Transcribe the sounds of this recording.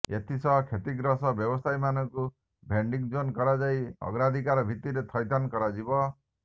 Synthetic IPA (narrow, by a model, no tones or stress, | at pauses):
ḛt̪ʰisɔɦkʰet̪iɡɾɔsɔbjɔbɔsajmanɔŋku | bʱeɳɖik̚d͡ʒonkɔɾad͡ʒajɔ̰ɡɾad̪ʱikaɾɔbʱit̪iɾet̪ʰɔjt̪ankɔɾad͡ʒibɔ